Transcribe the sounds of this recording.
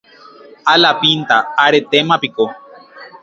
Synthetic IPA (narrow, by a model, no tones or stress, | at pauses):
alapint̪aaɾet̪emapiko